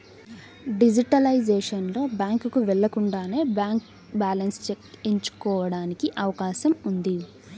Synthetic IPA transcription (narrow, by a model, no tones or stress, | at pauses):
ɖid͡ʒiʈɐlɐjd͡ʒeːʂɐnlo̞ːbjaːŋkkuʋɛɭːɐkuɳɖaːne̞ːbaːŋk | baːlɐnst͡ʃekiɲt͡ʃu̥kɔːʋɐɽaːnikiʔɐʋɐkaːʃɐmund̪i